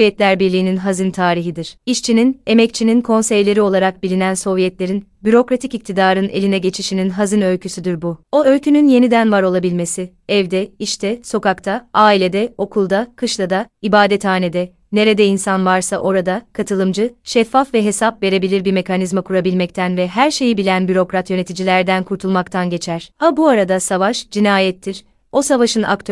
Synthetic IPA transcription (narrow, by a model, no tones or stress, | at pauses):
jɛt̪lʲæɾbiɾlʲiːninɦazɯnt̪ʰaːɾiɦid̪iɾ̥iʃt͡ʃʰinine̞mɛc̚t͡ʃʰininkʰo̞nsɛjlʲe̞ɾio̞lˠaɾak̚bilʲinænso̞vjɛt̪lʲe̞ɾinbyɾo̞kɾat̪ʰicic̚t̪ʰid̪aːɾɯne̞̰lʲinɛɟe̞t͡ʃʰiʃininɦazɯnø̞lʲcʰysyd̪yɾbuo̞ø̞lʲcʰynynje̞nid̪ænvaɾo̞lˠabilʲme̞sɪ | ɛvd̪ɛiʃt̪ʰɛso̞kakt̪ʰaaːilʲe̞d̪ɛo̞kʰulˠd̪akʰɯʃlˠad̪aibaːd̪ɛt̪ʰaːne̞d̪ɛ | ne̞ɾed̪ɛinsanvaɾsaʔo̞ɾad̪akʰat̪ʰɯlˠɯmd͡ʒɯʃɛfːafvɛɦe̞sap̚ve̞ɾe̞bilʲiɾbiɾme̞kʰanizmakʰuɾabilʲmɛc̚t̪ʰænvɛɦæɾʃe̞jibilʲænbyɾo̞kɾat̪jø̞ne̞t̪ʰid͡ʒilʲæɾd̪ænkʰuɾt̪ʰulˠmakt̪ʰanɟe̞t͡ʃʰæɾ̥abuaɾad̪asavaʃd͡ʒinaːjɛt̪ʰːiɾ̥ | o̞savaʃɯna̰kt̪ʰ